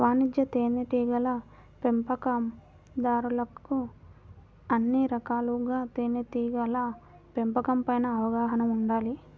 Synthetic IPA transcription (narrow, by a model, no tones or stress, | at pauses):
ʋaːnid͡ʒjɐt̪eːneʈiːɡɐlɐ | pempɐkɐm | d̪aːɾulɐku | ɐnːiɾɐkaːluɡaːt̪eːneʈiːɡɐlɐ | pempɐkɐmpɐjnɐːʋɐɡaːɦɐnɐmuɳɖaːli